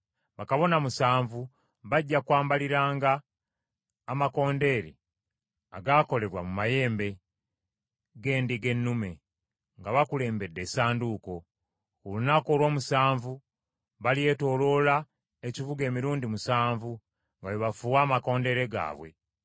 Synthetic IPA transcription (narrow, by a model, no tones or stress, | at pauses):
βakaβo̞namusaːɱvu | βaɟːakwaːmbaliɾaːŋɡa | mako̞ːnde̞ːɾḛ | aɡaːko̞le̞βwamumaje̞ːmbe̞ | ɡe̞ːndiɡe̞nːume̞ | ŋɡaβakule̞ːmbe̞dːe̞ːsaːnduːko̞ | ulunako̞ːlwo̞ːmusaːɱvu | βalije̞to̞lo̞la | ecivuɡe̞ːmiɾuːndimusaːɱvu | ŋɡaweβafuːwaːmako̞ːnde̞ɾe̞ɡa̰ːβwe̞̰